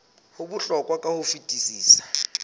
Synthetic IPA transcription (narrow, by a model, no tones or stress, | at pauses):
hʊbʊɬɔkʼwakʼahʊfitʼisiːsḁ